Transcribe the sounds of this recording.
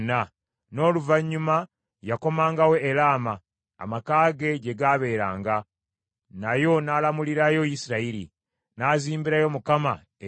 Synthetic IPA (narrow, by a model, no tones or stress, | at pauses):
na | no̞ːluvaɲːuma | jako̞maːŋɡawe̞ːlaːma̰ː | makaːɡe̞ɟe̞ɡaːβe̞ːɾa̰ːŋɡa | najo̞naːlamuliɾajo̞jisiɾaiɾḭ | naːziːmbiɾajo̞mukama̰ | e